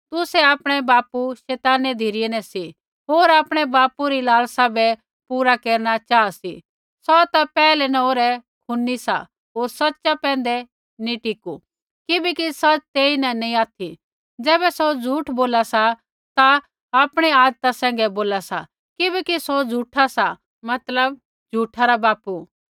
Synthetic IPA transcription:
t̪ʊsɛaːpɽ̃ɛbaːpuʃɛːt̪aːnɛd̪ʱiɾɪjɛnɛsi | ɦoːɾaːpɽ̃ɛbaːpuɾilaːlsabɛ | puːɾakeːɾɽ̃at͡ʃaːasḭ | sɔt̪apɛːlɛnɐoɾɛ | kʰʊnːisa̰ | ɦoːɾsɐtːʃapɛ̃ːnd̪ɛ | nĩʈɪku | kɪbɛkisɐt͡ʃt̪eːinɛnɐĩaːt̪ʰi | d͡zɛːbɛsod͡zʱuːʈʰboːlasa | t̪a | aːpɽ̃ɛaːd̪t̪asɛ̃ːŋ̆ɡɛboːlasa̰ | kɪbɛkisod͡zʱuːʈʰasa | mɐt̪ləb̚ | d͡ʒʱuːʈʰaɾabaːpu

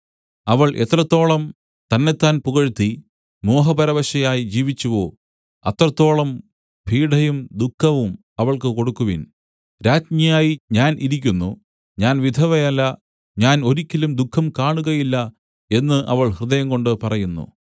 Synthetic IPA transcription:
ɐʋɐɭʔe̞t̪ːrɐt̪ːo̞ːɭɐm | t̪ɐnːet̪ːaːnpuɣɐɻt̪ːi | mo̞ːɦɐpɐɾɐʋɐɕɐjaːjid͡ʑiːʋit͡ɕːuʋoː | ɐt̪ːrɐt̪ːo̞ːɭɐm | piːɖɐjumd̪ukʰːɐʋum | ɐʋɐɭkɨko̞ɽukːuʋin | ɾaːtmijaːjiɲaːnʔiɾikʲːunːṵ | ɲaːnʋid̪ʱɐʋɐjɐlːɐ | ɲaːno̞ɾikʲːilumd̪ukʰːɐmkaːɳuɣɐjilːɐ | e̞nːɨʔɐʋɐɭhrɨðɐjɐŋɡo̞ɳɖɨpɐrɐjunːṵ

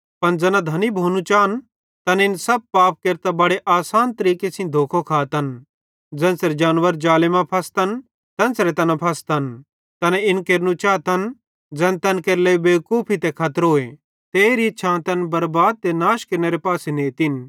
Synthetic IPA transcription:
pɐnd͡zɛːnad̪ʱɐnibʱoːnũt͡ʃaːn | t̪ɐnɪnsɐb̚paːp̚keːɾt̪abɐɽeʔaːsaːnt̪ɐɾiːkesɪ̃d̪ʱoːkʰokʰaːt̪ɐn | d͡zɛ̃ːnsɾed͡ʒaːnʋəɾd͡ʒaːlɪmãpʰɐst̪ɐn | t̪ɛ̃nsɾet̪ɐnapʰɐst̪ɐn | t̪ɐnɛɪnkeːɾnũt͡ʃaːt̪ɐn | d͡zɛ̃ːnt̪ɐnkeɾlebeːkuːpʰit̪ɛkʰɐt̪ɾoːe | t̪eːɾiʃʰãːt̪ɐnbɐɾbaːd̪̚t̪enaːʃkeːɾneɾepaːseneːt̪in

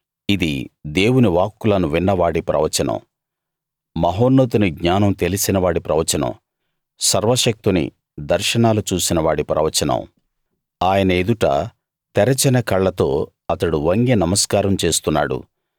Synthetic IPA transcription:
id̪ḭd̪e̞ːwuniʋaːkːulɐnuʋinːɐʋaːɽipɾɐ̰ʋɐt͡ʃɐnɐ̰m | mɐɦoːnːoːt̪uniɡɲaːnɐmt̪e̞lisinɐʋaːɽipɾɐʋɐt͡ʃɐnɐ̰m | sɐɾʋɐʃɐk̚t̪unḭ | d̪ɐɾʃɐɳaːlut͡ʃuːsinɐʋaːɽipɾɐ̰ʋɐt͡ʃɐnɐ̰m | aːjɐnɐed̪uʈɐ̰ | t̪ɛɾɐt͡ʃɐnɐkɐɭːɐt̪o̞ː | ɐt̪ɐɽuʋɐŋɡenɐmɐskaːɾɐmt͡ʃe̞ːst̪unːa̰ːɽṵ

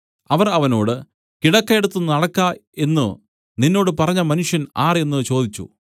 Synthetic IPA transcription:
ɐʋɐrɐʋɐno̞ːɽɨ | kiɽɐkːɐeɽut̪ːunɐɽɐkːaːe̞nːɨ | ninːo̞ːɽɨpɐrɐɲːɐmɐnuʂjɐnaːre̞nːɨt͡ɕo̞ːd̪it͡ɕːṵ

